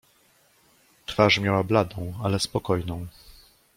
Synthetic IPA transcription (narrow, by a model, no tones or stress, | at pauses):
t̪faʂmʲjawablad̪ɔ̃w̃alɛspɔkɔjnɔ̃w̃